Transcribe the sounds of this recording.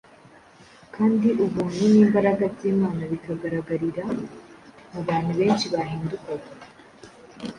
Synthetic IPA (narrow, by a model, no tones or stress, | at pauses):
kʰaːnd̪iʔuβuːnuniːmbɐɾɐɡɐziːmaːnɐβikɐɡɐɾɐɡɐɾiɾa | muβaːniβeːnt͡ʃiβaːɦiːnd̪ukɐɡ